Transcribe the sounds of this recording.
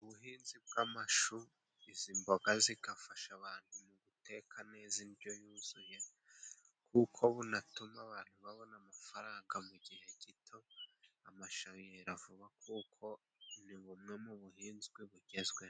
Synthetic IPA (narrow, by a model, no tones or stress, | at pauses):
uβuɦiːnzib̚ɡamaʃu | izimbo̞ɡaziɡafaʃaβaːnhumuβute̞ːkʰane̞ːzinibjo̞juːz̥uje̞ | kʰukʰo̞βunatumaβaːn̥huβaβo̞namafaɾaːŋɡamuɟihe̞ɟitʰo̞amaʃaijeɾavuβakukʰo̞ | niβumŋe̞muβuhiːnzɡwiβuɟe̞zɡwe